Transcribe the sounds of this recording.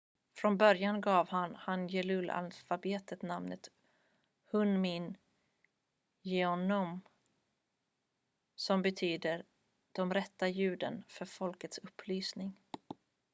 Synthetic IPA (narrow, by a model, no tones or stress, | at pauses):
fɾɔnbœɾjanɡɑːvhanhanjɛlɵla̰lfabeːt̪ʰət̪namnət̪ | hɵnmɪn | jɛɔnɔm | sɔmbɛt̪ʰyːd̪əɾ | d̪̥ɔmɾɛt̪ːajʉ̟ːd̪ənfœɾfɔlkət̪sɵpʰːlyːsnɪŋ